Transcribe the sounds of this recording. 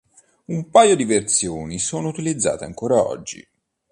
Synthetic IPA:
umpajod̪ivert̪sjoːnisoːnout̪ilid̪zːa̰ːt̪eaŋkoːɾaɔ̰d͡ʒːḭ

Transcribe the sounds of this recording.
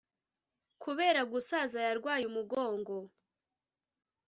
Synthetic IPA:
kʰuβe̞ːɾaɡusaːzajaɾɡwaːjumuɡo̞ːŋɡo̞

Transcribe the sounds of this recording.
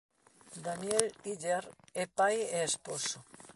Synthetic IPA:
d̪anjeliʎeɾepajeːsposo

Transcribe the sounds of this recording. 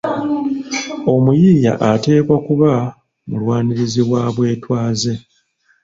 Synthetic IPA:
o̞mujiːja̰ʔate̞ːkwakuβa | mulwaːniɾiziβwaːβwe̞ːtwaːze̞

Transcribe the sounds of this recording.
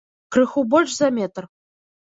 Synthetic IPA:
krɨxubolʲt͡ɕzamʲet̪r

